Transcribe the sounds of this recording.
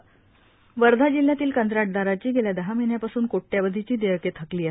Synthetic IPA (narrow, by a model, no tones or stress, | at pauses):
ʋəɾd̪ʱad͡ʑilːjat̪iːlkənt̪ɾaʈ̚d̪aɾat͡ɕiːɡeljad̪əɦamiɳjapasuːnkoʈːjaʋəd̪ʱit͡ɕiːd̪eəket̪ʰəkliːə